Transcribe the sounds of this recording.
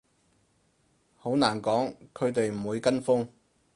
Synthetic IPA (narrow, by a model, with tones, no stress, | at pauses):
ho˨˥wnaː˨˩nkɔː˨˥ŋkʰɵ˨˧ɥt̪e˨jm̩˨˩wuː˨˧jkɐ˥nfʊ˥ŋ